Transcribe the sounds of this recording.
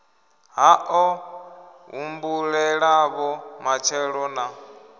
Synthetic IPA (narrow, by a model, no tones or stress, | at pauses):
ɦaʔɔ | ɦumbuɺɛɺaβɔmat͡ʃʰɛɺɔna